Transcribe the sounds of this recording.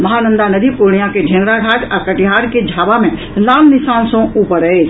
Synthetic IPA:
mɐɦanə̃nd̪anəd̪ipuɾɳ̃ijãked͡ʒʱeːnɾaɡʱaːt̪əkəʈiɦaːɾked͡ʒʱaːbamẽ | lãːmnɪsaːnsõuːpəɾəet͡ʃʰ

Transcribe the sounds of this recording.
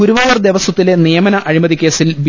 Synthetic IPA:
uɾuʋaːjɐrd̪eʋɐsɐt̪ːile̞nijɐmɐnɐʔɐɻimɐðikʲːe̞ːsilbi

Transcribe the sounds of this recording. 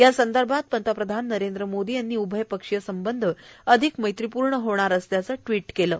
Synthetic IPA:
jasənd̪əɾbʱat̪̚pənt̪əpɾəd̪ʱanːəɾend̪ɾəmod̪iːjanːiːubʱəjpəkʂjəsəmbənd̪ʱəəd̪ʱikməjt̪ɾipuɾɳəɦoɳ̃aɾəsljat͡səʈʋiːʈkeləː

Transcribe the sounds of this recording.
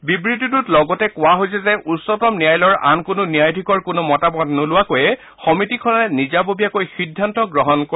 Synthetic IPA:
bibɹititutlɔɡɔtɛkʊwaɦojsɛzɛʔusːɔtɔmnijajlɔɹa̰nkʊnʊnijajdʱikɔɹkʊnʊmɔtabɔdnʊlʊwakojɛ | xɔmitikʰɔnaɛnizabobijakojxidʱːantɔɡɹɔɦɔnko

